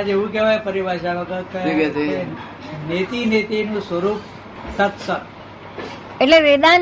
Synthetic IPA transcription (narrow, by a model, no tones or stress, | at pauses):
ad͡ʒeʋũkɛʋajpəɾibʱaʃaʋəɡəkəiɡe | net̪inet̪enũsʋəɾuːp̚ | t̪ət̪sə | eʈleʋed̪a